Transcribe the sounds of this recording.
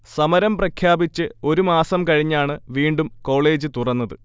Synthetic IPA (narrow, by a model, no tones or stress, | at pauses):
sɐmɐɾɐmprɐkʰjaːbit͡ɕːɨo̞ɾumaːsɐmkɐɻiɲːaːɳɨʋiːɳɖumko̞ːɭe̞ːd͡ʑɨt̪urɐnːɐðɨ